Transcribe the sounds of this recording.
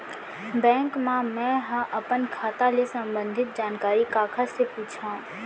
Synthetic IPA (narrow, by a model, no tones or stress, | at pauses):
bɛ̃ːŋkmãmɛ̃ɦãʔɐpənkʰaːt̪alesɐ̃mbə̃nd̪ʱɪt̪̚d͡ʒaːnkaːɾikaːkʰəɾsepuːt͡ʃʰã